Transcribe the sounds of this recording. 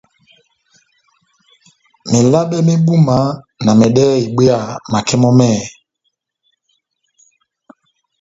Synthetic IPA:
me˨la˦ɓɛ˦me˦ɓu˦ma˨˦ | na˨mɛ˨ɗɛ˦i˨ɓe˦a˨ma˨kɛ˦mɔ˦mɛ˦˨

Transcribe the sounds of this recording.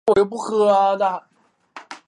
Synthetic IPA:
wɔ˨˩jo˥˩ʊp̬u˥˩xɤ˧˥a˧d̪a˥˩

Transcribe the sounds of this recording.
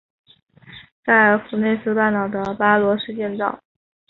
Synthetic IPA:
ka˥˩ɪə˞˧˥fu˨˩ne˥˩ɪs̩˥˧pa˥˩nt̪ɑ˨˩ʊd̪ə˦pa˥lwɔ˧˥ʂɻ̩˥˧t͡ɕjɛ˥˧nt͡sɑ̰˥˩ʊ

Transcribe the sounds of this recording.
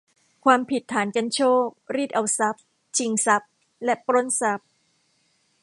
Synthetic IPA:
kʰwaː˧mpʰi˨˩t̪ʰːaː˩˦nka˧nt͡ɕʰoː˥˩k̚ɾiː˥˩t̪̚ʔa˧wsa˦˥p̚ | t͡ɕʰi˧ŋsa˦˥p̚ | lɛ˦˥ʔpɾo˦˥nsa˦˥p̚

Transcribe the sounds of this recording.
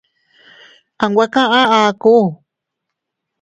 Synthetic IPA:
ã˨ŋɡʷa˦kã˦ʔã˦ʔã˧ku˦˨

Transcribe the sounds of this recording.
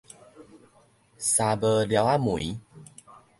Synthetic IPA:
sa˧bə˧lja˨˧˦wa˦mu˨i˦

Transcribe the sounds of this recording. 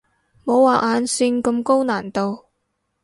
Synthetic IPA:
mo˨˧wːaː˨˩ʔaː˨˧nsɪ˧ŋkɐ˧mko˥wnaː˨˩nt̪o˧w

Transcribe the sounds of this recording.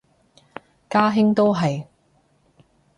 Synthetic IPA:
kaː˥ɦɪ˥ŋt̪o˥wɦɐ˨j

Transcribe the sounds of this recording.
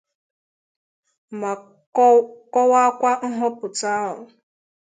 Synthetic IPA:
ma˨ | kɔ˦wa˦kʷa˦ŋ̩˦ɦɔ˦pʊ˨ta˦ɦʊ˨

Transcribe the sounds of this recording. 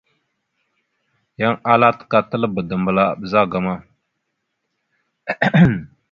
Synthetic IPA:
ja˦ŋa˦la˦tka˦tə˦lə˦bə˨də˨mbə˨la˦˨bə˨za˦ɡa˨ma˦

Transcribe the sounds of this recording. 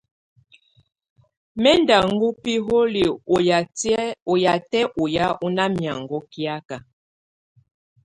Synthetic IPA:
mɛ˦nda˨ŋ˦ɡu˦pi˦ɦo˦li˨˦ | o˨ja˨tɛ˦ʔu˨ja˦u˦na˦mja˨ŋɡɔ˦ki˦a˦ka˨

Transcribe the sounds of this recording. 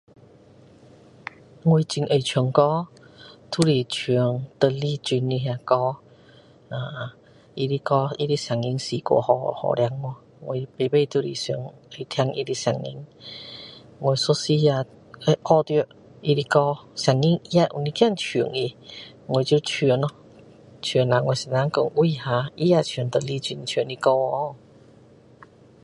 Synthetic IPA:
ŋwe˧jt͡ɕi˧ŋʔə˨˩jt͡ɕʰu˧˩ə˦ŋkɔ˦ | t̪ʰu˧li˨t͡ɕʰi˨˩əŋt̪ə˧li˧˨t͡ɕi˧nli˧ɦjã˧kɔ˧˦ | ã˧˨ | i˧li˧kɔ˦i˧li˧sa˨˩ŋi˧ŋsi˨kɔ̰˧˦hɔ˧hɔ̰˨lja˧ŋːɔ˧ | ŋo˧˩pe˨be˥˧t̪ʰu˧lḭ˨sḭ˧˩˦ŋə˨˩˨t̪ʰja˧ŋʔi˧li˧sa˨˩ŋḭ˧˦ŋ | ŋo˨˩jso˧si˧a˧˩ | e˧kɔ˧t̪j | i˧ɾi˧kɔ˧sa˨˩ŋi˧˥ŋi˧a˧ʔu˨˩ni˧kja˥˨ŋt͡ɕʰi˨˩ə˦ŋi˧ | ŋo˨t͡ɕju˧t͡ɕʰi˨˩ə˦nɔ˧ | t͡ɕʰi˨˩˦nla˨ŋwɔ˧˩˨si˧˨nã˧˥ŋkɔ˧˨ŋwi˧˨hã˧ʔi˦a˧t͡ɕʰnt̪ə˨li˧t͡ɕi˧˩˨nt͡ɕʰi˨˦ni˧kɔ˧ɔ˧˦˨

